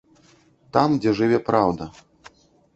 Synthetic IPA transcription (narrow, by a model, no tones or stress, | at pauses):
t̪amd͡zʲɛʐɨvʲɛpɾawd̪ɐ